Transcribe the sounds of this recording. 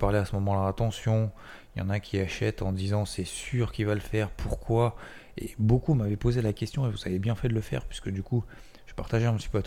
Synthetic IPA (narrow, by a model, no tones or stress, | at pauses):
paʁlɛasəmɔmɑ̃laat̪ɑ̃sjɔ̃ | iljɑ̰̃nakʲʰiaʃɛt̪ɑ̃d̪izɑ̃sɛsyʁkʲivaləfɛʁpʰuʁkʰwa | ḛbokumavɛpozelakʲɛst̪jɔ̃evuz̥avebjɛ̃fɛd̪ələfɛ̰ʁpɥiskəd̪yku | ʒ̥əpaʁt̪aʒɛɛ̃pt̪i̥pøat̪